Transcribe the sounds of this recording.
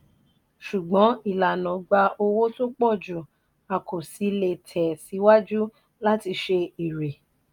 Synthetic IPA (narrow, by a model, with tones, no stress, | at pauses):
ʃu˨ɡ͡bɔ̃˨˦i˦˨la˨nɔ̃˨˦ɡ͡ba˧o˧wo˦to˦k͡pɔ˦˨d͡ʒu˨ | a˨kʰo˨si˨˧˦le˧˨tʰɛ˨si˨˦wa˦d͡ʒu˦ | la˦ti˧ʃe˧i˨ɾe˨